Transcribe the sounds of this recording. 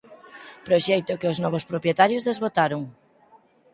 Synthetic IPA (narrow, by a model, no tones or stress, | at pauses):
pɾoʃɛjt̪ʊkɪʊznɔβospɾopjet̪aɾjozðezβot̪aɾʊŋ